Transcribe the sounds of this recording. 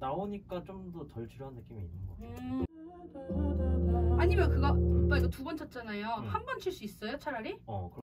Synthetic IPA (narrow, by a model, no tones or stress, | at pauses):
naoɲik͈at͡ɕomdʌtʌɭt͡ɕɯɾjoɦanːɯk͈imiːnːɯnɡʌe | aɲimjʌkɯɡatʌikʌtubʌnt͡ɕʰʌt̚t͡ɕ͈anajohanbʌnt͡ɕʰiɭs͈uis͈ʌjot͡ɕʰaɾaɾiʌkɯ